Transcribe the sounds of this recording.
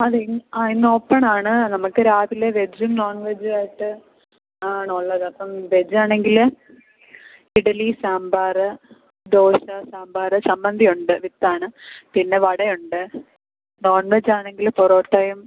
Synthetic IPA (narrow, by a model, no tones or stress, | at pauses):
ɐðeainoːpːɐɳaːɳɨnɐmukːɨɾaːðileʋe̞d͡ʑumnoːnʋed͡ʑɨaːjiʈːɨ | aːɳuɭːɐðɨɐpːɐmʋed͡ʑaːɳe̞ŋɡil | iɽɐlisaːmbaːrɐ | d̪oːɕɐsaːmbaːrɐsɐmbɐnd̪ʱijuɳɖɨʋit̪ːaːɳɨpinːe̞ʋɐɽɐjuɳɖɨ | no̞ːnʋed͡ʑaːɳeŋɡilfoɾoːʈːɐjm